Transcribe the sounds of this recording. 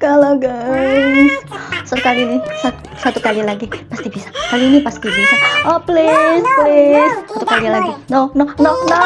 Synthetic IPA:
kaloɡa | ssət̪ukalilisa | sat̪ukalilaɡipast̪ibisḁkaliːnipast̪ibisaʔoplisplissat̪ukalilaɡinononono

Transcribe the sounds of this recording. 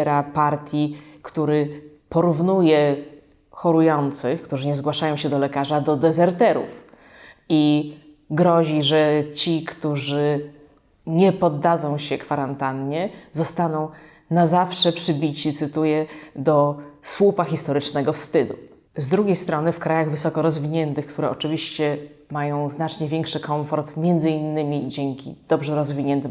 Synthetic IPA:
ɾapaɾt̪ʲjikt̪uɾɘ | pɔɾuvnujɛ | xɔɾujɔnt̪sɘxkt̪uʐɘɲɛzɡwaʂajɔ̃w̃ɕɛd̪ɔlɛkaʐad̪ɔd̪ɛzɛɾt̪ɛɾṵf | i | ɡɾɔʑiʐɛt͡ɕikt̪uʐɘ | ɲɛpɔd̪ːazɔ̃w̃ɕɛkfaɾant̪anɲɛzɔst̪anɔ̃w̃ | nazafʂɛpʂɘbʲit͡ɕit̪sɘt̪ujɛd̪ɔswupaxʲist̪ɔɾɘt͡ʂnɛɡɔfst̪ɘd̪u | zd̪ɾuɡʲejst̪ɾɔnɘfkɾajaɣvɘsɔkɔɾɔzvʲiɲɛnt̪ɘxkt̪uɾɛʔɔt͡ʂɘvʲiɕt͡ɕɛmajɔ̃w̃znat͡ʂɲɛvʲjɛŋkʂɘkɔɱfɔɾt̪mʲjɛnd̪zɘinːɘmʲid͡ʑɛŋkʲḭd̪̥ɔbʐɛɾɔzvʲiɲɛnt̪ɘm

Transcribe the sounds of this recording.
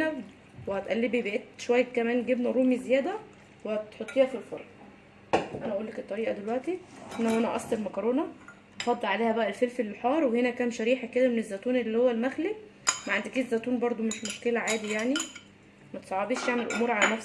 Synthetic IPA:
æ | wehæt̪ʔælːebibæʔet̪ʃowæjːækæmæːnɡebnæɾoːmizejæːd̪æ | wehæt̪ħot̪ˤːiːhæfilfoɾˤʔ | ʔænæʔæʔuːlːeket̪ˤːɑɾiːʔɑd̪elwæʔt̪ihenæhwænæʔɑ̰sˤd̪eɾmækɑɾˤoːnɑ | ʔɑfɑd̪ˤːelʕaleːhæbæʔælfelfelːiħɑːɾˤwehenækæːnʃæɾiːħæked̪æmenezːæt̪uːnelːiːhowːælmæxlimæʕand̪ikiːt̪zːæt̪uːnbɑɾˤd̪ˤomeʃmoʃkelæʕaːd̪ijaʕni | mæt̪sˤɑʕɑbiːʃjeʕmelʔo̰muːɾʕalænæfs

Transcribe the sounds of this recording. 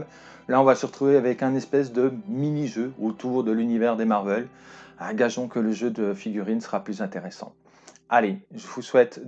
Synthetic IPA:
laɔ̃vasəʁət̪χuveavɛkɛ̃nɛspɛs̬d̪əminiʒøot̪ʰuʁd̪əlynivɛʁd̪emaʁvɛlɛ̃ɡaʒɔ̃kələʒød̪əfiɡʲyʁinsə̥ʁaplyzɛ̃t̪eʁesɑ̰̃ | aleʒəvuswɛt̪

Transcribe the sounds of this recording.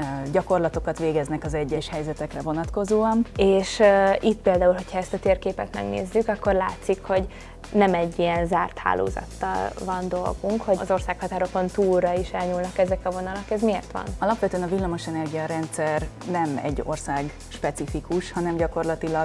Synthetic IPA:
ɟɒko̞rlɒt̪o̞kɒt̪ʋeːɡɛznɛkɒzɛɟːɛʃhɛjzɛt̪ɛkrɛvo̞nɒt̪ko̞zoːɒneːʃit̪ːpeːld̪aːulɦo̞cʰhɒɛst̪ɒt̪eːrkeːpɛt̪mɛ̰ɡnḛːzːykɒkːo̞rla̰ːt̪sikho̞ɟ | nɛmɛɟːiɛnzaːrt̪ha̰ːlʔo̰ːzɒ̰t̪ːɒ̰lvɒnd̪o̞̰lɡuŋkho̞zo̞rsaːkhɒt̪aːɾo̞kont̪uːrɒiʃɛlɲuːlnɒkɛzɛkɒvo̞nɒlɒkɛzmieːrt̪ʋɒ̰nɒlɒpʋɛt̪øɛnɒvilːɒmo̞ʃɛnɛrɡijɒɾɛnt̪sɛrnɛmɛ̰ɟːo̞̰rsaːɡ | ʃpɛt̪sifikuʃhɒnɛmɟɒko̞rlɒt̪ilɒɡ

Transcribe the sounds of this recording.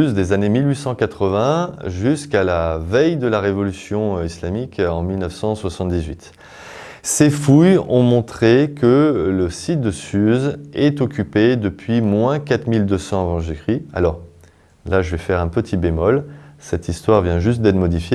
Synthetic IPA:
zd̪ezanemilɥisɑ̃kat̪χəvɛ̃ʒyskalavɛjd̪əlaʁevɔlysjɔ̃islamikɑ̃milnəfsɑ̃swasɑ̃t̪̚d̪izɥit̪ | sefujɔ̰̃mɔ̃t̪χekələsit̪̚d̪əsyzɛt̪ɔkʲyped̪əpɥimwɛ̃kat̪χmild̪øsɑ̃avɑ̃ʒekχia̰lɔʁ | laʒəvɛfɛʁɛ̃pət̪ʰibemɔlsɛt̪ist̪waʁvjɛ̃ʒyst̪̚d̪ɛt̪mɔd̪ifje

